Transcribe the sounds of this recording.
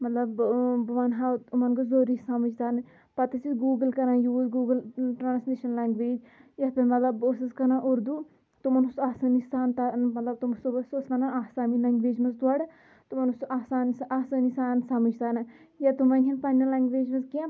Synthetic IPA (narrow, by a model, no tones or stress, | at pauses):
mɐt̪lɐbbɐʋɐnɦat̪umɐnɡozoːɾisamɐd͡ʒt̪aːnɨ | pɐt̪ɐsiɡuːɡəlkɐnãːjuːzɡuːɡəlʈɾaːnsmiʃɐnlaːŋɡʋeːd͡ʒ | jɐt̪ɐmɐt̪lɐbosɐskɐnãʔoɾd̪u | t̪umɐnusaːsaːnisaːnt̪amɐt̪lɐb̚t̪umsobɐsosmɐnaaːsaːmilɐŋɡʋeːd͡ʒmɐzt̪waɽ | t̪umɐnusasaːnsaːsanisaːnsamɐd͡ʒt̪aːnɐ | jat̪umɐnʲɦʲɐnpɐnʲːɐlaːŋɡʋeːd͡ʒmɐzkiã